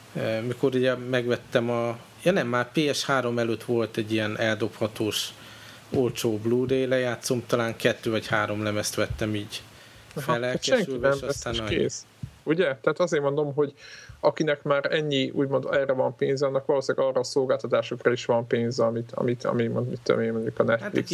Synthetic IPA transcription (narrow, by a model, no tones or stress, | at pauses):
ømikoɾuɟɛmɛɡʋɛt̪ːɛmɒ | jɒnɛmːaːrpeːɛʃhaːɾo̞mɛløːt̪ʋo̞lt̪ɛɟːijɛnɛld̪o̞phɒt̪oːʃ | olt͡ʃoːbluːd̪ejlɛjaːt̪so̞mt̪ɒlaːŋkɛt̪ːøːvɒchaːɾo̞mlɛmɛst̪ʋɛt̪ːɛmiːɟ | fɛlɛlkʃɛɛŋyvɛmʃɛst̪aːnkḛːs | uɟɛt̪ɛɦaːt̪ɒzeːrmo̞nd̪o̞mɦo̞ɟɒkinɛkmaːɾɛɲːiṵːɟmo̞nd̪ɛːrːɛvɒmpeːnzɛɒnːɛkʋɒloːsilaɡɒːrɒːso̞lɡaːlt̪ɒt̪aːʃokrɒiʃʋɒmpeːnzɛɒmit̪ɒ̰mit̪ʰɒ̰mimond̪mit̪ːø̰meːmɛnikɒnɛt̪al̰k